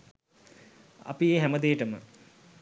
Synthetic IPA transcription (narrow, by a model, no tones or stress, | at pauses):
a̰pieːɦæməd̪eːʈəmə̰